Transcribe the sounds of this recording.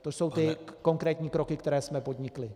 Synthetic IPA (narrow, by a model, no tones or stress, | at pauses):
t̪oso̞wt̪ɪko̞ŋkɾɛːt̪ɲiːkɾo̞kɪkt̪ɛɾɛːsmɛpo̞d̪ɲɪklɪ